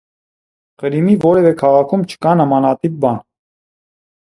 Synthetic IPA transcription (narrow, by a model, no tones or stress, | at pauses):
χəɾimivɔɾɛvɛkʰɑʁɑkʰumt͡ʃʰə̥kɑnəmɑnɑt̪ip̚bɑn